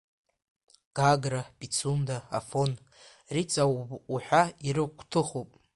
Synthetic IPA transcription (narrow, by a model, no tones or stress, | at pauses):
ɡ̥aɡrabʼit͡sʰunda̰ːfon | rit͡sʼaːħʷᶣaiɾɨkʷʰtʰɨχopʼ